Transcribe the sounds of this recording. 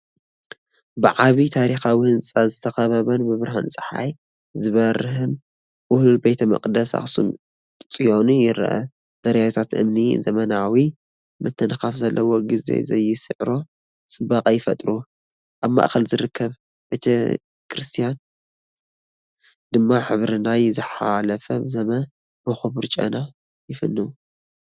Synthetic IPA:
bɨʕaβit̪ʰaɾixawihɨnt͡sʼazɨt̪ʰɐxɐβɐβɐnmɨβɾaha̰nt͡sʼɨ̥ħa̰j | zɨβɐɾɨhɨn | ʔʊhlulbe̞t̪ʰɐmɐ̰kʼd̪ɐsa̰xsṵm | t͡sʼijo̞nujɪɾ̰ʔɐ̰ | d̪̥ɐɾjawt̪ʰat̪ʔɨ̰mnizɐmɐnawi | mɨt̪ʰːɐnxafzɐlːɐwoɡizḛzɐjːɪsɨʕɾo̞ | t͡sʼɨbakʼajːɪfɐt̪ʼɾu | ʔaβma̰ʔxɐlzɨɾɨkʰːɐβ | b̥et̪ʰɐ | kʰɾɨst̪ʰijan | d̪ɨmːaħɨβɾɨnajzɨħalɐfɐbɨzɐmɐn | bɨxuβɨɾt͡ʃʼɐ̰na | jɪfɨ̰nːɨwu

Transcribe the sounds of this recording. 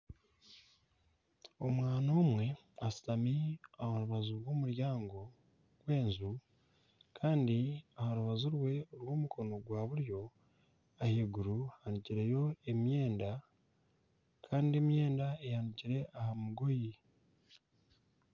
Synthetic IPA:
o̞mwaːnoːmwe̞ | asi̥tamiahaɾuβazuɾwo̞ːmuɾjaːŋɡo̞ | ɡ̥we̞ːnzu | kʰaːndiahaɾuβazuɾwe̞ɾwo̞ːmukʰo̞no̞ɡwaːβuɾjo̞ | aheɡuɾuhaniciɾe̞jo̞e̞mje̞ːnda | kʰaːndie̞mje̞ːndaejaniciɾe̞ʔahamuɡo̞ji

